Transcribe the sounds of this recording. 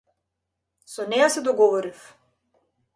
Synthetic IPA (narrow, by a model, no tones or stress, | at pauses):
sɔnɛjasɛd̪ɔɡɔvɔɾif